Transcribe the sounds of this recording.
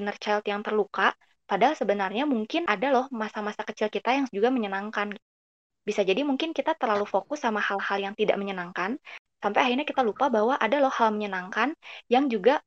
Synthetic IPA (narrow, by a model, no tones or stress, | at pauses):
nərt͡ʃajlt̪jaŋt̪ərluka | padasəbənarɲamuŋkɪnʔadalɔhmasamasakət͡ʃɪlkit̪ajaŋd͡ʒuɡaməɲənaŋkanɡ | bisad͡ʒadimuŋkɪnkit̪at̪ərlalufokʊsːamahalhaljaŋt̪ida̰ʔməɲənaŋkan | sampajaɦirɲakit̪alupabahwaʔadalɔhhalməɲənaŋkanjaŋd͡ʒuɡa